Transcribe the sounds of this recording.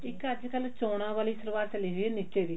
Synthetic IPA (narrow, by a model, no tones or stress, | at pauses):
ɪkəd͡ʒkəlt͡ʃoːɽ̃ãːʋaːliːsəɾʋaːɾt͡ʃəliːɦoiɛniːt͡ʃeːd̪iː